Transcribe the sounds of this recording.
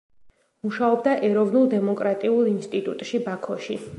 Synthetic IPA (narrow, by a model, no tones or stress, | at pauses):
muʃaɔbd̪aʔɛɾɔvnulˠd̪ɛmɔkʼɾat̪ʼiulˠinst̪ʼit̪ʼut̪ʼʃibakʰɔʃi